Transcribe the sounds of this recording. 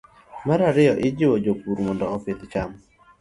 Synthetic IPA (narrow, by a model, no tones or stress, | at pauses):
maɾaɾɪɔʔɪd͡ʒɪwɔd͡ʒopuɾmɔndɔɔfɪt̪t͡ʃam